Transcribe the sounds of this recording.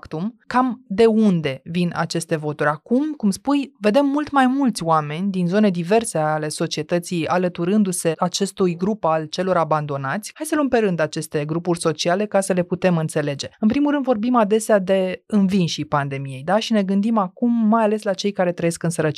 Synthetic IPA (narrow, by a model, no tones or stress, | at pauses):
kt̪umkamd̪e̞und̪e̞vina̰t͡ʃe̞st̪e̞vo̞t̪uɾʲakumkumspujve̞d̪e̞mːult̪majmult̪sʲoame̞nʲd̪inzo̞ne̞d̪ive̞rse̞ale̞so̞t͡ʃie̞t̪ət̪sijalət̪uɾɨnd̪use̞ʔat͡ʃe̞st̪ujɡɾupalt͡ʃe̞lo̞ɾaband̪o̞nat̪sʲhajsəlumpe̞ɾɨnd̪at͡ʃe̞st̪e̞ɡɾupurʲso̞t͡ʃiale̞kasəle̞put̪e̞mɨnt̪se̞le̞d͡ʒe̞ɨnpɾimulɾɨnd̪vo̞rbimad̪e̞sead̪e̞ɨnvinʃipand̪e̞mije̞jd̪aʃine̞ɡɨnd̪imakumːajale̞slat͡ʃe̞jkaɾe̞t̪ɾəjeskɨnsəɾət͡ʃi